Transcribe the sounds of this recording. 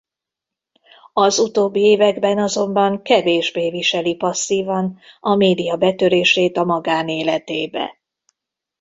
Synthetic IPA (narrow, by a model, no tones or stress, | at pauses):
ɒzut̪oːbːieːvɛɡbɛnɒzo̞mbɒŋkɛveːʒbeːviʃɛlipɒsːiːvɒnɒmeːd̪ijɒbɛt̪øɾeːʃeːt̪ɒmɒɡaːneːlɛt̪eːbɛ̰